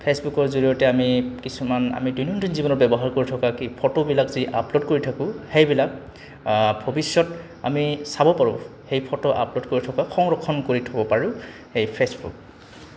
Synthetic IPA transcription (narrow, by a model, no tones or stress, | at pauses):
pʰesbukɔɹzoɹijɔtɛamikisumana̰midujnɔntinzibɔnɔɹbɛbɔɦaɹkoɹitʰɔkakipʰɔtobilakziʔa̰plodkoɹitʰakʊ̃hejbilak̚ | bʱobisjɔt | a̰misabɔpaɹʊ̰̃hejpʰɔtoʔa̰plodkoɹitʰɔkaxʰɔŋɹɔkʰːɔnkoɹitʰɔbɔpaɹʊ̃xejpʰesbṵk̚